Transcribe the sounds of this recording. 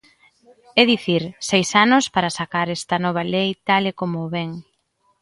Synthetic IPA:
ɛðiθiɾsejsanʊspaɾɐsakaɾɛst̪ɐnɔβ̞ɐlejt̪alekomoːβɛŋ

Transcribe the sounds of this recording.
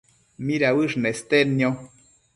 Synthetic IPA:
miɾawɨʐnest̪enjo

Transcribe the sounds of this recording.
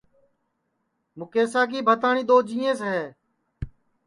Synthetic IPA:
mʊkeːsaːk̬iːbʱət̪aːɳĩːɗ̪oːd͡ʒĩːẽːsɦeː

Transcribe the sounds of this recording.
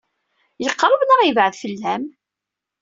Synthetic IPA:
jəqːɾˤəbnəʁivʕəðfəlːæm

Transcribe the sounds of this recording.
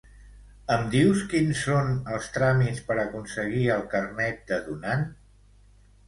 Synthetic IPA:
əmd̪iwskinsːonəlˠst̪ɾamitspəɾəkunsəɣ̞iəlˠkərnɛt̪̚d̪əðunan

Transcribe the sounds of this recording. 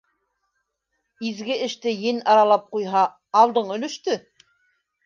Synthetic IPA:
izɡɘʔɘ̆ʃt̪ɘjɘnɑɾɑlˠɑp̚qujɦɑː | lˠd̪ɤɴɵ̆lɵ̆ʃt̪ɵ

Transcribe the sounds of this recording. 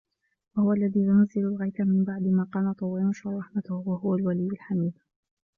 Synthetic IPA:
wahʊwaʔalːaðiːjʊnazːɪlʊlɣajk̪amɪmbaʕd̪ɪmaːqɑːmat̪ˤɑwɪmʊʃarˤɑħmat̪ʊhwahʊwalwalijːʊlħamiːb̪

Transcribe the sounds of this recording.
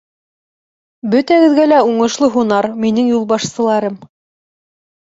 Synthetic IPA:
bɵ̆t̪æɡɘ̆ðɡælæuɴɤ̆ʃlˠɤɦunɑɾminɘŋjulˠbɑʃsɤ̆lˠɑɾɤm

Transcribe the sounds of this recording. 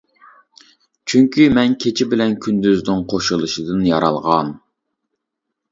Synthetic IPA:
t͡ʃʰyŋkʲʰymɛnkʲʰet͡ʃʰɪbɪlɛnkʲʰynd̪yznɪŋqʰoʃulˠɨʃɨd̪ɨnjɑɾɑ̰lˠʁɑn

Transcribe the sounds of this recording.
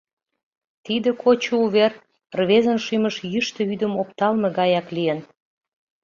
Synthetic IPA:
t̪id̪ə̆kʰot͡ɕuuβer | rβezənʃyməʃjyʃt̪ə̆yd̪ə̆mopt̪ɑlmĕɣɑjɑklijən

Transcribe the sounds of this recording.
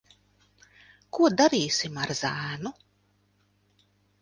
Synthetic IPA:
kuɔd̪aɾiːsimaɾzæːnu

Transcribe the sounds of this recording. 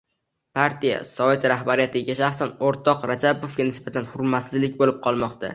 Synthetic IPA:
pʰaɾt̪ʰija̰sɒve̞t̪ɾahbaɾijat̪ʰɪɡʲaʃaχsanoɾt̪ʰɒqɾad͡ʒabofɡʲanɪsbat̪ʰanhʊɾmat̪sɪzlɪkʲbolɪp̚qʰɒlˠmɒqt̪ʰa̰

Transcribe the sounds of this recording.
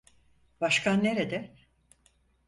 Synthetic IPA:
baʃkʰanːeɾed̪ɛ

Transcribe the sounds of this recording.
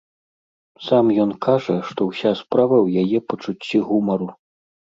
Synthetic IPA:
samjɔnkaʐɐʂt̪ɔwsʲaspɾavɐwjajɛpɐt͡ʂut͡sʲːiɣumɐɾu

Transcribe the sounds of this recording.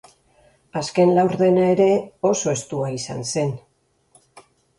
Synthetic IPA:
aske̞nlawɾðe̞nae̞ɾe̞o̞so̞e̞st̪uaisa̰nse̞n

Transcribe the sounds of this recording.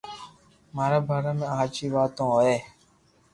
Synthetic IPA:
maːɾabʱaːɾamẽaat͡ʃiːʋaːt̪õɔɛː

